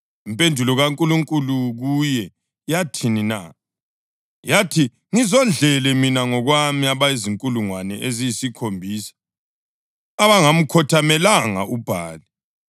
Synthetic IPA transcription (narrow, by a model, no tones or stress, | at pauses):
impʼʰendʱulɔɣaŋkʼuluŋkʼuluɣujɛ | jatʰinina̰ | jatʰi | ŋizɔnd͡ɮɛlɛminaŋɔɣwamiaβaiziŋkʼuluŋwanɛʔezijisikʰombʱiːsḁ | aβaŋam̩kʰɔtʰamɛlaŋa̰ʔub̥ʱa̰ːli